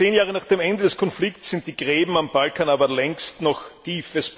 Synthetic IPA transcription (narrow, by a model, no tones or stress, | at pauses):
eːnjaːʁənaːχd̥eːmɛndədɛskʰɔnflɪktsz̥ɪnt̚d̥iːɡ̥ʁeːbm̩ambalkaːnaːbɐlɛŋstnɔxtʰiːfəs